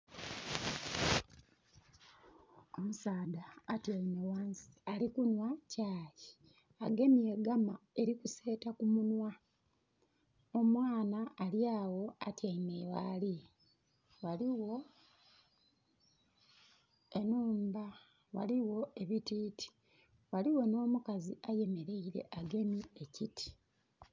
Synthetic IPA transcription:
o̞musaːdaːtjaine̞waːnsi̥alikunwacaːji | aɡe̞mjeɡamae̞ɾikuse̞ːtakumunwa | omwaːnaːljaːwo̞atjaimeːwa̰li | waliwo̞ | e̞nuːmba | wa̰liwo̞e̞βitiːtʰi̥ | waliwo̞no̞ːmukaziaje̞me̞ɾe̞iɾe̞̰ʔaɡe̞mie̞citʰi̥

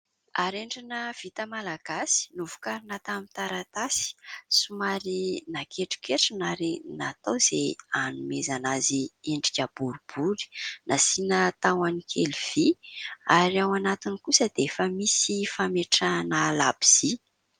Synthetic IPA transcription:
aɾeɳɖ͡ʐanəv̥it̪əmalaɡ̥asi̥nuvukaɾinat̪amit̪aɾat̪asi̥sumaɾinakʰeʈ͡ʂi̥keʈ͡ʂinaɾinat̪owz̥ḛanumezanazieɳɖ͡ʐikʲəb̥uɾub̥uli̥nasinət̪awanikʰeliv̥iaɾiawanat̪inikusəd̪̥efəmisifameʈ͡ʂanəlabi̥z̥i

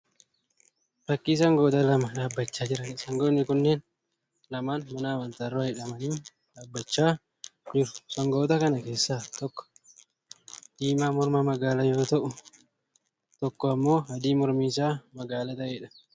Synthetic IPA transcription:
bɐkːiːs̬ɐŋɡoːt̪ɐlɐmɐᶑaːbːɐt͡ʃːaːd͡ʒɪɾɐsɐŋɡonːɪkʊnːeːn | lɐmaːnmɐnaːwɐnt̪arːoːɐjɪᶑɐmɐniː | ᶑaːbːɐt͡ʃːaː | d͡ʒɪɾʊ̥sɐŋɡoːt̪ɐkɐnɐke̞ːsːaːt̪ɔkːɔ̥ | d̪̥iːmaːmɔɾmaːmɐɡaːlɐjoːt̪ɐʔʊ | t̪ɔkːɔɐmːo̞ːhɐd̪iːmɔɾmiːsaːmɐɡaːlɐt̪ɐʔeːᶑɐ̥

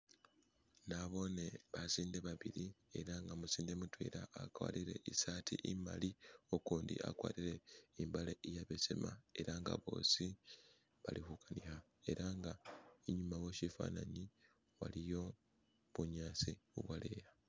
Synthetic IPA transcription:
naβo̞ne̞βasiːndeβaβiɾie̞̰ɾaŋɡamusiːnde̞mutwḭːɾaːkwa̰ːliɾe̞̰ʔisaːtʰiʔima̰lio̞kuːndḭʔa̰kwa̰ːtiɾe̞imbaleʔijaβesemae̞ɾaŋɡa̰βo̞̰ːsi | βa̰lixukʰanixa | e̞ɾʔaŋɡaiɲumaweʃifa̰ːnaɲi | wa̰lijo̞ | βuɲaːsiuβwale̞̰ja

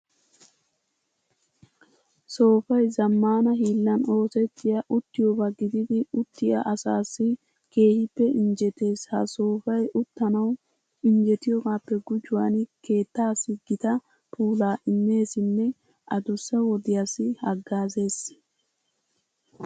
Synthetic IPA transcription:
so̞ːfɐjzɐmːaːnɐɦiːlːɐno̞ːsɛt̪ːɪjɐʔʊt̪ːɪjobɐɡɪd̪ɪd̪ɪʊt̪ːɪjɐ̰ʔɐsaːsːɪ | ke̞ːhɪpːɛʔɪnd͡ʒɛt̪e̞ːshɐ̰so̞ːfɐjʔʊt̪ːɐnɐw | ɪɲd͡ʒɛt̪ɪjɔɡaːpːɛɡʊd͡ʒʊwa̰nke̞ːt̪ːaːsːɪɡɪt̪ɐ | pʰuːlaːʔɪnːe̞ːsɪnːɛ | ɐd̪ʊsːɛwɔd̪ɪjasːɪhɐɡːaːze̞ːs

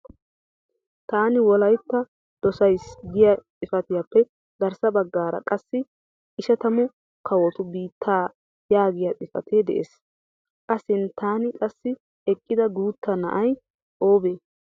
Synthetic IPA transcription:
t̪aːnɪwɔlɐjt̪ːɐ | d̪̥ɔsɐjsɡɪjɐt͡sʼɪfɐt̪ɪjapːɛ | ɡ̪ɐɾsɐbɐɡːaːɾɐ̰kʼɐsːɪ | ɪʃɐt̪ɐmʊ | kɐwɔt̪ʊbiːt̪ʰːaː | jaːɡɪjɐt͡sʼɪfɐ̰t̪ʰeːd̪ɛ̰ʔḛːs | kʼɐsɪnt̪aːnɪkʼɐsːɪ | ɛkʼːɪd̪ɐɡuːt̪ːɐnɐ̰ʔɐj | oːbeː

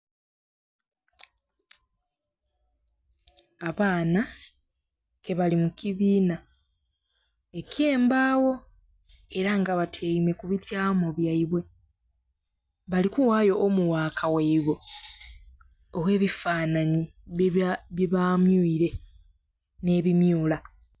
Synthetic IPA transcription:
aβaːna | ke̞βalimukiβiːna | e̞ke̞ːmbaːwo̞ | e̞ɾaŋɡaβatʰeime̞kuβitjaːmoβjaiβwe̞ | βalikuwaːjo̞ʔːmuwaːkʰaweiβe | owe̞ːβifaːnaɲi | βjβamjuiɾe̞ | ne̞ːβimjuːla

